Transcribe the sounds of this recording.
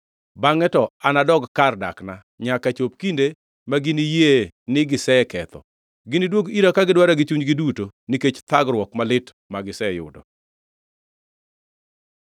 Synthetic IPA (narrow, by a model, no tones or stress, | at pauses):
baŋɛtɔanadɔɡkarda̰kna | ɲakat͡ʃop̚kinde | maɡɪnijenɪɡɪsɛkɛt̪ɔ̰ | ɡɪnidwoɡiɾakaɡɪdwaɾaɡɪt͡ʃuɲɡɪdutoniket͡ʃt̪aɡɾwɔkmalɪt | maɡɪsɛjʊ̰dɔ̰